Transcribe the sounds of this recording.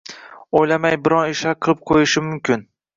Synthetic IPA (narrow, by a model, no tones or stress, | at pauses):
ojlamajbɪɾɒnɪʃaqʰɨlˠɪp̚qʰojɪʃɪmʊmkʲʰɪn